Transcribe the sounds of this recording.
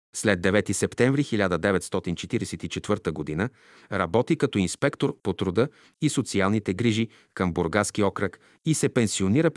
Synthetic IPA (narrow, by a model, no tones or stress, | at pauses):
slɛd̪dːɛvɛt̪isɛpt̪ɛ̃ɱvɾixilʲad̪əd̪ɛvɛt̪st̪ɔt̪int͡ʃɛt̪iɾɛsɛt̪it͡ʃɛt̪v̥ɤɾt̪əɡod̪inə | ɾɐbɔt̪ikɐt̪ɔinspɛkt̪oɾpot̪ɾod̪ə | isot̪sialˠnit̪ɛɡɾiʒi | kəmboɾɡaskiɔkɾək | isɛpɛnsioniɾə